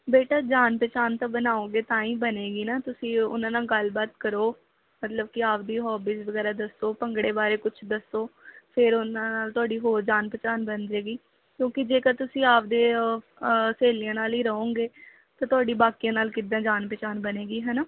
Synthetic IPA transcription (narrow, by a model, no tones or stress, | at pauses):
beːʈaːd͡ʒaːnpɛːt͡ʃaːnt̪ãːbənaːõːɡeːt̪ãːĩːbəneːɡiːnaːt̪ʊsĩːʊ̰nãːnaːlɡəlbaːt̪kəɾoː | mət̪ləb̚kɪaːp̚d̪iːɦɔːbiːsʋəɡɛːɾaːd̪əsoːpəŋɡɽeːbaːɾeːkʊt͡ʃʰd̪əsoːpʰɪɾʊnãːnaːlt̪ʊaːɖiːɦoːɾd͡ʒaːnpɛːt͡ʃaːnbənɾeːɡiː | kjõːkɪd͡ʒeːkəɾt̪ʊsĩːaːpd̪eː | seːlɪjãːnaːliːɾəɦõːɡeː | t̪ãːt̪ʊaːɖiːbaːkijãːnaːlkɪd̪ãːd͡ʒaːnpɛːt͡ʃaːnbəneːɡiːɦɛːnaː